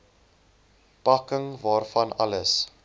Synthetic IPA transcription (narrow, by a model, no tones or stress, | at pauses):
pɐkəŋvɑːrfɐnɐ̰ləs